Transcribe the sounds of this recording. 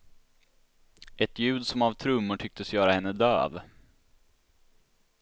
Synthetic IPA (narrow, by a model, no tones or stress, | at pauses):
ʔɛt̪jʉ̟ːd̪sɔmavt̪ʰɾɵmːʊʈʰʏk̚t̪əsjœːɾahɛnːəd̪ø̰ːv